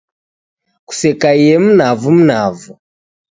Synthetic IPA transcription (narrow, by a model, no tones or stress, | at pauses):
ku̥sɛkaijɛm̩navum̩navu